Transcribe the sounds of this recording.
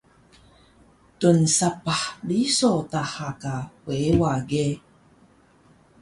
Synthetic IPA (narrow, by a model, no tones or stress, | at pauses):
tunsapaħbisotaħakawewaɡe